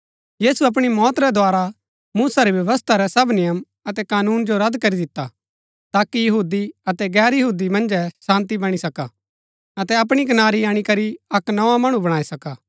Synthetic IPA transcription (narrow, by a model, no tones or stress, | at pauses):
jiːsuɐp̬ɽ̃imɔːt̪ɾɛd̪waːɾa | muːsaɾibjɐʋəs̬t̪ʰaɾɛsɐbnɪjəm | ɐt̪ɛkaːnuːnd͡ʒoɾɐd̪kɐɾid̪ɪt̪ːa | t̪aːkijɐɦuːd̪iɐt̪ɛɡɛːɾjɐɦuːd̪imɐ̃nd͡ʒɛsãːnt̪ibɐɽ̃isɐka | ɐt̪ɛɐp̬ɽ̃ik̬ɐnaːɾiaːɽ̃ikɐɾiɐknɐãmɐɽ̃ubɐɽaːisɐkaː